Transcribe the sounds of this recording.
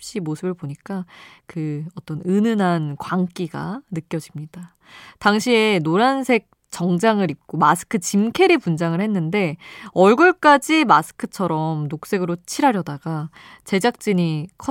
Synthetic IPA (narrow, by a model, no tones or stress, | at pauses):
ɕ͈imosʰɯbɯɭboɲik͈akɯʌt͈ʌnɯnɯnɦankwaŋk͈iɡa̰nɯk͈jʌd͡ʑimɲida | taŋɕʰie̞noɾansʰe̞k̚ | t͡ɕ͈ʌŋd͡ʑaŋɯɾip̚k͈omasʰɯ̥kʰɯt͡ɕimkʰe̞ɾipund͡ʑaŋɯɭhe̞nːɯnde̞ʌɭɡɯɭk͈ad͡ʑimasʰɯ̥kʰɯt͡ɕʰʌɾʌmnok̚s͈e̞ɡɯɾot͡ɕʰiɾɦaɾjʌdaɡa | t͡ɕe̞d͡ʑak̚t͡ɕ͈iɲikʰʌ